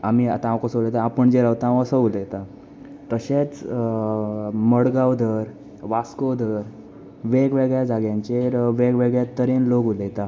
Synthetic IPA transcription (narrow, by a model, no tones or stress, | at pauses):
amia̰t̪ããwkəsəwlet̪aːpəɳd͡ʑeɾawt̪aaʋəsəuləjt̪a | t̪əɕet͡s | məɽɡawd̪ʱəɾ | ʋaskəwd̪ʱəɾ | ʋeɡʋeɡɭjad͡zaɡjãɲt͡ɕeɾʋeɡʋeɡɭjat̪əɾenloɡulet̪a